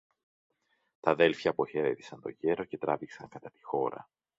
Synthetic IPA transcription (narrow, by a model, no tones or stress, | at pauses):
t̪ɐðe̞lfçɐpoçe̞ɾet̪i̥sɐnt̪o̞ʝe̞ɾo̞ce̞t̪ɾɐviksɐŋkɐt̪ɐt̪i̥xo̞ɾɐ̰